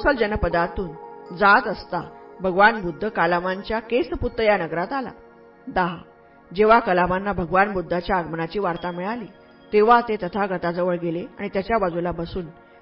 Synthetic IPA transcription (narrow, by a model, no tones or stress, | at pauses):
usəld͡ʑənəpəd̪at̪uːnd͡zat̪əst̪abʱəɡʋanbud̪ʱːəkalamaɲt͡ɕjakesəput̪ːəjanəɡɾat̪ala̰ | d̪aɦa | d͡ʑeʋ̤akəlamanːabʱəɡʋanbud̪ʱːat͡ɕjaəɡmənat͡ɕiːʋaɾt̪amiɭaliː | t̪eʋ̤at̪et̪ət̪ʰaɡʱət̪ad͡zəʋəɭɡeleaɽ̃it̪jat͡ɕjabad͡zulabəsuːn